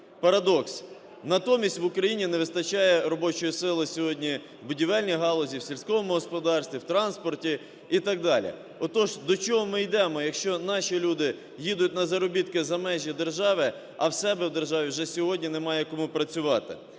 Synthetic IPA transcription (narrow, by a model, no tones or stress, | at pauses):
pɐɾɐd̪ɔks | nɐt̪ɔmʲisʲtʲʋʊkɾɐjinʲinɛʋɪst̪ɐt͡ʃɑjɛɾɔbɔt͡ʃɔjisɪlˠɪsʲɔɦɔdʲnʲi | wbʊdʲiʋɛlʲnʲijɦɑlˠɔzʲiwsʲilʲsʲkɔʋɔmʊɦɔspɔd̪ɑrsʲt̪ʋʲiwt̪ɾɑnspɔrtʲi | it̪ɑɡ̚d̪ɑlʲḭ | ɔt̪ɔʒd̪ɔt͡ʃɔɦɔmɪjd̪ɛmɔjɐkʃt͡ʃɔnɑʃilʲud̪ɪ | jid̪ʊtʲnɐzɐɾɔbʲit̪kɪzɐmɛʒʲjɛd̪erʒɑʋɪ | ɐwsɛbɛwd̪erʒɑʋʲiwʒɛsʲɔɦɔdʲnʲinɛmɑjɛkɔmupɾɐt͡sʲʊʋɑt̪ɪ̰